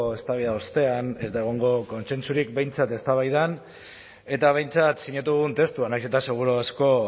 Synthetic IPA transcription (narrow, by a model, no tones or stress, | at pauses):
est̪aβiðaost̪e̞ane̞zd̪aeɣ̞o̞ŋɡo̞ko̞nse̞nsuɾikbe̞jnt͡sat̪e̞st̪aβajðan | e̞t̪aβ̞e̞jnt͡sat̪siɲat̪̬uðɣunt̪e̞st̪uanajset̪ase̞ɣ̞uɾuasko̞